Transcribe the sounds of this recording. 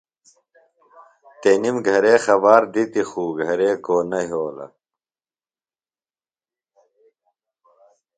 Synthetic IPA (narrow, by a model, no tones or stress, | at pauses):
t̪enimɡʱɐɾeːxɐbaːɾd̪it̪ixuːɡʱɐɾeːkoːnɐɦoːlɐ̰